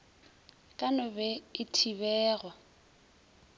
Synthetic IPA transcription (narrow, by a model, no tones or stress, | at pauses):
kʼanʊbɛɪtʰiβɛːɣwa